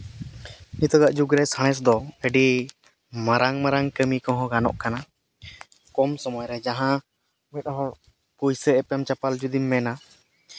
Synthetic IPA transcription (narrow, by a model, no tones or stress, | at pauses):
nit̪ɔɡaʔd͡ʒuɡɾɛsaɽ̃ɛs̬d̪ɔəɖi | maɾaŋmaɾaŋkəmikɔɦɔ̃ɡanɔ̰ʔkana | kɔmsɔmɔjɾɛd͡ʒaɦã | mɛt̪̚ɦɔ̃ | kujsɛɛpɛmt͡ʃapald͡ʒud̪imːɛna